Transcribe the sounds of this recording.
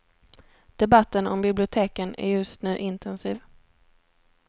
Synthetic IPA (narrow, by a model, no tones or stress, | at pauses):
d̪̥ɛbat̪ːənɔ̰mbɪblɪʊt̪ʰeːkənæ̰ɾjɵst̪nʉ̟ːʔɪnt̪ʰɛnsiːv